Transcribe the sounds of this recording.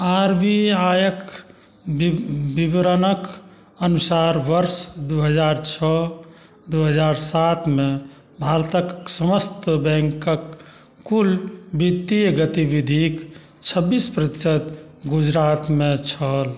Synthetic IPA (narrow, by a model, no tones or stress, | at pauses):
aɾbiajək | bibɾənək | ənusaɾʋəɾsd̪uɦəd͡ʒaɾt͡ʃʰɔ | d̪uɦəd͡ʒaɾsat̪ʰme | bʱaɾt̪əksəməst̪bɛ̃ŋkəkː | ulbit̪ːiɡət̪ibid̪ʱik | t͡ʃʰəbːispɾət̪i̥sət̪ | ɡud͡ʒɾat̪mẽt͡ʃʰəl